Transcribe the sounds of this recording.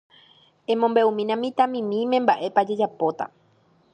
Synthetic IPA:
ẽ̞mõmbe̞ũmĩnãmĩt̪ãmĩmĩmẽ̞mbaʔe̞pad͡ʒe̞d͡ʒapot̪a̰

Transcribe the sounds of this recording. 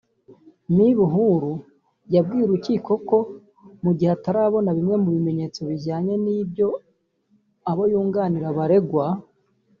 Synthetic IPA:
niβuɦuɾu | jab̚ɡiːɾuɾuciːko̞ko̞ | muɟiheataɾaːβo̞naβimŋe̞muβime̞ɲe̞t͡so̞βiɟaːɲe̞nibjo̞ | aβojuːŋɡaniɾaβaɾe̞ɡwa

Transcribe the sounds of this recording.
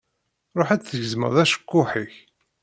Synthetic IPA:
ɾˤoħæt͡sθəʝəzmə̰ʁðæʃə̥kːʊħiç

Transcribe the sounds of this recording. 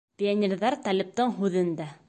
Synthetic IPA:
pʲɪanʲɪɾðɑɾt̪ɑlʲɘ̆p̚t̪ɤɴɦʉðɘ̆nd̪æ

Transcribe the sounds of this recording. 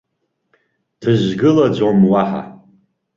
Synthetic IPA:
d̥ʰɨʒɡɨlad͡ʒʷomwaħa̰

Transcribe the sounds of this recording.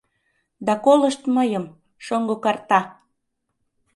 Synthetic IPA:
d̪ɑkoləʃt̪məjəm | ʃoŋɡokɑrt̪ɑ

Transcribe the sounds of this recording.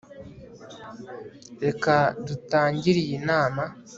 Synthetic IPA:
ɾekadutaːɲɟiɾijinaːma

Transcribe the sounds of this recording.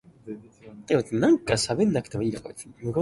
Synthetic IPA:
eot̪nãŋkasabẽ̞nːakɯ̟t̪emoiːnoka̰t͡smɯ̟ɡo

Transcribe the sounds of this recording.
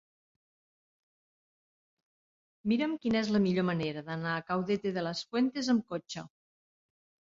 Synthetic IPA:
miɾəmkinəɛzləmiʎoməneɾəðənaːkawðet̪eðələsfwent̪ezəmkot͡ʃə

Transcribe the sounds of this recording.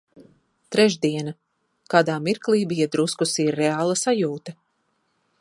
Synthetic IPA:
t̪ɾɛʒd̪iɛna | kaːd̪aːmiɾklˠiːbijad̪ɾuskusiɾːeaːlˠɐsajuːt̪ɐ

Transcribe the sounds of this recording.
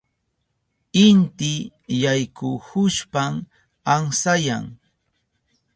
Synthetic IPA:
ɪnt̪ɪjajkʊhʊʃpam | aŋsajaŋ

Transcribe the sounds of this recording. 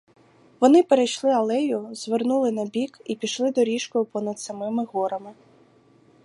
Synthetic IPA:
ʋɔnɪpeɾejʃlˠɪɐlˠɛjʊz̥ʋernulˠɪnɐbʲikipʲiʃlˠɪd̪ɔɾʲiʃkɔjʊpɔnɐd̪sɐmɪmɪɣɔɾɐmɪ

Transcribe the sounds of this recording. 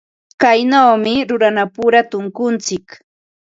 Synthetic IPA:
kajnawmɪɾʊɾanapʊɾat̪ʊŋkʊnt͡sɪk

